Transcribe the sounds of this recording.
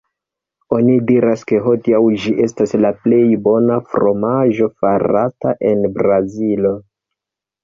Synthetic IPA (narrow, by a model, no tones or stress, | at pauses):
o̞nidiɾaske̞ɦo̞diawd͡ʒiʔe̞staslaple̞jbo̞nafɾo̞maʒo̞faɾataʔe̞nbɾazilo̞